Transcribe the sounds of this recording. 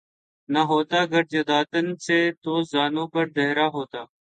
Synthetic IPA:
nəɦoːt̪aːəɡəɾd͡ʒəd̪aːt̪ənseːt̪oːzaːnõːpəɾd̪eɦɾaːɦoːt̪aː

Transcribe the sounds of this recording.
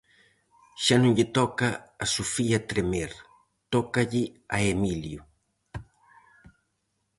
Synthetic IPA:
ʃanũɲʎɪt̪ɔkɐːsufiɐt̪ɾemeɾ | t̪ɔkɐʎɪɐemilju

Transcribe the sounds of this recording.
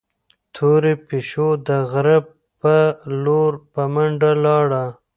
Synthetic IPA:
t̪ʰoɾepeʃod̪əɣɾab̚ | pəloɾpamaɳɖalɑːɽa

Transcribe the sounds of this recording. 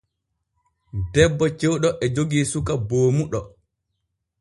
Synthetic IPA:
dɛbːɔt͡ʃɛwɗɔʔɛd͡ʒoɡiːsukaboːmuɗɔ

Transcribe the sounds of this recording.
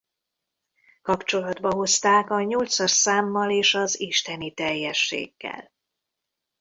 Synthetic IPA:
kɒpt͡ʃo̞lɒd̪bɒɦo̞st̪aːkɒɲolt̪sɒrsaːmːɒleːʃɒziʃt̪ɛnit̪ɛjːɛʃːḛːɡːɛ̰l

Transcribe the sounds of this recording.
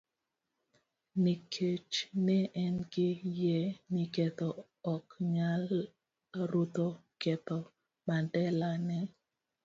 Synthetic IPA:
nikʰet͡ʃnɛʔɛnɡɪjɛnikɛt̪ɔ | ɔkɲal | ɾut̪o | kɛt̪ɔ | mandɛlanɛ

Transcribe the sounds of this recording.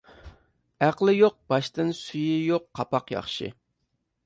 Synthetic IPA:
æqlˠɪjoq̚b̥ɑʃt̪ɨnsyjɪjoqːʰɑpɑqjɑ̰χʃɪ̰

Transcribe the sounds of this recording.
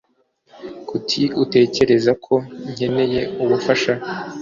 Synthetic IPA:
kutʰiute̞ːce̞ɾe̞zakʰo̞ɲ̥he̞ne̞je̞uβufaʃa

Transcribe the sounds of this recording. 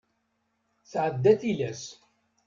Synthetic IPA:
θʕəd̪ːæθilæs

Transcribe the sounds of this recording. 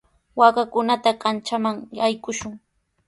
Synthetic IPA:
wakakʊnat̪akant͡ʃamaŋajkʊʃʊŋ

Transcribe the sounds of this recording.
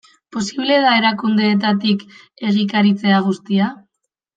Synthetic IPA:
po̞siβ̞le̞ðae̞ɾakund̪eːt̪at̪̬ik | e̞ɣ̞ikaɾit͡se̞aɣ̞ust̪ia

